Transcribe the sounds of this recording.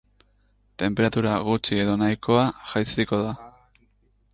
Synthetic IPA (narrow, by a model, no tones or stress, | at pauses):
t̪e̞mpe̞ɾat̪uɾaɣ̞ut͡ʃie̞ðonajko̞aʝajsiko̞ða